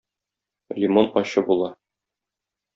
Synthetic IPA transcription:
lʲimonɒɕɤbulˠɑ

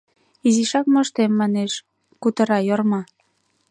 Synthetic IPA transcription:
iziʃɑkmə̆ʃt̪emːɑneʃ | kut̪ɤ̆ɾɑjormɑ

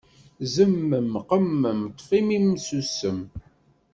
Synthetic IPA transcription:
zəmːəmqəmːəmt̪ˤːfimimsusəm

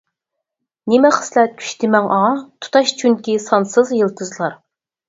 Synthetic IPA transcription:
nɪmɛχə̥slɛt̪̚kʲʰy̥ʃt̪ʰɪmɛŋʔɑʁɑt̪ʰu̥t̪ʰɑʃt͡ʃʰyŋkʲisɑnsɨzjɨlˠt̪ʰɨzlˠɑɾ

